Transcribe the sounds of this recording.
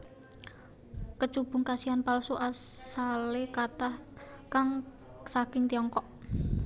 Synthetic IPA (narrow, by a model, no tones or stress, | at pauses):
kət͡ʃub̥ʊ̤ŋkasianpalsuʔasalekat̪ah | kaŋ | sakɪŋt̪iɔŋkɔʔ